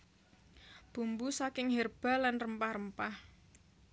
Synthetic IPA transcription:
b̥ṳmbusakɪŋɦerb̥a̤lanrəmpahrəmpah

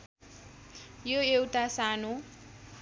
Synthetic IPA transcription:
joewt̪asano

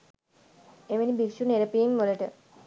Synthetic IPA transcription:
eʋenibikʃuneɾəpiːmʋoləʈə

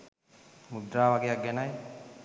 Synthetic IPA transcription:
mud̪ɾaːʋaɡejak̚ɡɛnaj

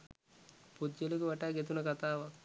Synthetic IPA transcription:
pud̪d͡ʒelikuʋaʈaːɡet̪̬unəkat̪aːʋak

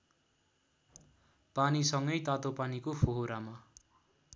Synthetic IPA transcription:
panisʌŋɡʌjt̪at̪opanikopʰoɦoɾama

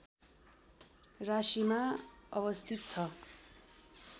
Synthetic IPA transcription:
rasimaʌβʌst̪ʰit̪̚t͡sʰʌ

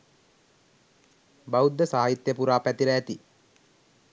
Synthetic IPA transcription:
baud̪ːəsaːait̪jəpuɾaːpæt̪iɾəæt̪i

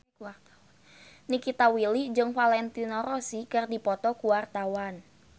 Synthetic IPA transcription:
nikit̪awilid͡ʒɨŋfalɛnt̪inɔɾɔsikɨrdipɔt̪ɔkuwart̪awan

